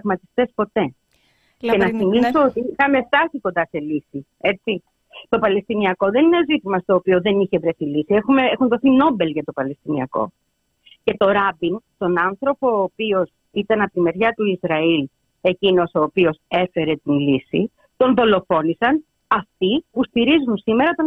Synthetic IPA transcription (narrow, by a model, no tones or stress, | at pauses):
vmɐt̪i̥st̪e̞spo̞t̪e̞ | cenɐsimisoot̪iixɐme̞ft̪ɐsiko̞nd̪ɐse̞lisi | e̞t͡si | t̪o̞pɐle̞st̪iniɐko̞ðeninezit̪imɐst̪o̞ːpioðe̞niçe̞vɾe̞θilisiexumeexunðoθino̞be̞lʝɐt̪o̞pɐle̞st̪iniɐ̰ko̞̰ | ce̞t̪o̞ɾɐbint̪o̞nɐnθɾo̞po̞ːpio̞s | it̪ɐnɐpot̪ime̞ɾʝɐt̪uizɾɐil | e̞cino̞so̞ːpio̞se̞fe̞ɾe̞t̪inlisi | t̪o̞nðo̞lo̞fo̞nisɐn | ɐft̪ipust̪iɾizunsime̞ɾɐt̪o